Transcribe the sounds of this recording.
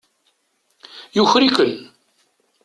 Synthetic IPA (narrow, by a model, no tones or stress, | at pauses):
juçɾikən